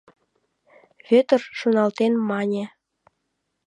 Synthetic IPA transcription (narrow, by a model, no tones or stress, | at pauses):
βøt̪ərʃunɑlt̪enmɑnʲĕ